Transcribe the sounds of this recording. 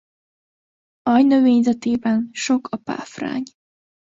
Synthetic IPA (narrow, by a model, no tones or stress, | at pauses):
ɒjnøveːɲzɛt̪eːbɛnʃokʰɒpa̰ːfra̰ːɲ